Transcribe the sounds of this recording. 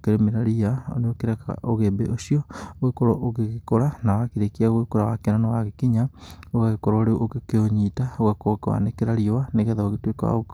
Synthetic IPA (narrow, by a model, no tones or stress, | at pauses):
keɾemeɾaɾiao̰neokeɾɛka̰ʔoɣebḛʔosiɔɣekoɾɔʔoɣeɣekoɾanawakiɾekiaɣwekoɾawakenanawaɣekiɲaoɣaɣekoɾoɾeuʔokkeoɲitaoɣakokwa̰nekeɾaɾiowaneɣɛðaoɣetweka̰o